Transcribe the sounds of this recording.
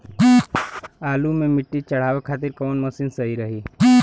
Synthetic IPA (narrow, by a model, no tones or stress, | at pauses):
aːlumẽmɪʈːit͡ʃɐɽ̤aːʋekʰaːt̪ɪɾkɔːnmɐsinsɐɦiɾɐɦiː